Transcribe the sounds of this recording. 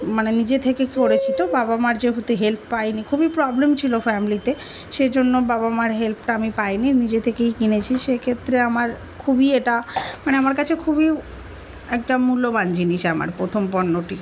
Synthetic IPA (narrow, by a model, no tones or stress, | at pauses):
manenid͡ʑet̪ʰekekoɾet͡ɕʰit̪obabamaɾd͡ʑeɦut̪eɦelp̚ʰpajnikʰubipɾɔblemt͡ɕʰilofɛmilit̪e | ʃed͡ʑonːobabamaɾɦelp̚ʰʈaamipajninid͡ʑet̪ʰekejkinet͡ɕʰiʃekʰet̪ːɾeamaɾ | kʰubieʈamaneamaɾkat͡ɕʰekʰubi | ɛk̚ʈamuloband͡ʑiniʃeama̰ɾpɾot̪ʰompɔnːoʈi